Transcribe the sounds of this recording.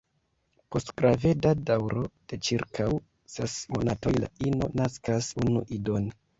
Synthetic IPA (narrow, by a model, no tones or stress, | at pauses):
po̞stɡ̥ɾave̞dadawɾo̞d̥e̞t͡ʃiɾkʰaw | sesmo̞nato̞jla̰ino̞̰naskasunṵʔidon